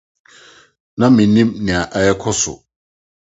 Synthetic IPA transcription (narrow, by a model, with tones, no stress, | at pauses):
nã˦mĩ˨nĩ˦mnɪ̃˨a˨ʔa˨jɛ˦kʰɔ˦sʊ̰˨